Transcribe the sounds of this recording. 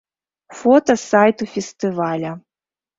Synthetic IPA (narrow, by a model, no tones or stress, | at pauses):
fɔt̪ɐsajt̪ufʲɛst̪ɨvalʲɐ